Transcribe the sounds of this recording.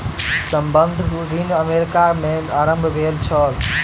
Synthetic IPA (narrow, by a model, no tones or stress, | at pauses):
səmbənd̪ʱɾinəmeɾikameaɾə̃mbʱbʱelt͡ʃʰəl